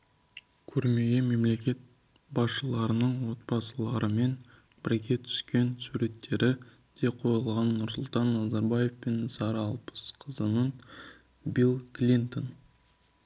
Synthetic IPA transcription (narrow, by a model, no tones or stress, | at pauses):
kʲʰɵɾme̞ɡʲeme̞mle̞kʲe̞t̪̚ | bɑsʃəlˠɑɾənəɴwo̞t̪̚bɑsəlˠɑɾəme̞n | b̥ɪɾɡʲe̞t̪ʰʏ̥skʲe̞nsuɾe̞t̪ːe̞ɾɪ | d̪̥e̞qʰo̞jəlˠʁɑnːʊɾsʊlˠt̪ɑnːɑzɑɾbɑje̞fpe̞nsɑɾɑlˠpə̥sqʰəzənən | bilˠklʲint̪o̞n